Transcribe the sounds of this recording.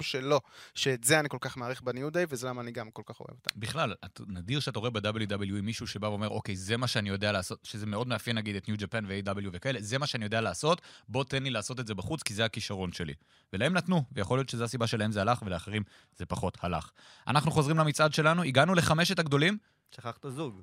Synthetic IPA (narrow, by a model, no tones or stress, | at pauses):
ʃelo̞ʃeːtzeaniko̞lkaχmaːʁiχbenjud̪ejvezelamaːniɡamkolkaχo̞̰evot̪abiχlalatanadiʁʃeat̪̬ao̞ebed̪abeljud̪abeljuimːiʃuʃebaveo̞me̞ʁo̞kejze̞maʃeanijo̞d̪e̞alaːso̞tʃezemeo̞d̪meafjenaɡid̪etnjud͡ʒapanveejd̪abeljuvekae̞leze̞maʃeanijo̞dealaːso̞tbo̞t̪enlilaːso̞tetze̞baχut͡skizeakiʃaʁo̞nʃe̞lḭ | velae̞mnat̪nuvejaχo̞ljo̞t̪ʃe̞zeasibaʃelaɦe̞mzeɦalaχve̞leaχeʁim | z̥e̞paχo̞t̪halaχ | a̰naχnuχo̞zʁimlamit͡sʔad̪ʃe̞lanuiɡanule̞χame̞ʃ̬ethaɡdo̞lim | ʃaχaχt̪azuɡ